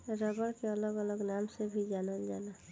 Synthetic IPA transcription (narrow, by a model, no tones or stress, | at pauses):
ɾəbəɾkeələɡələɡnamsebʱid͡ʒanəld͡ʒana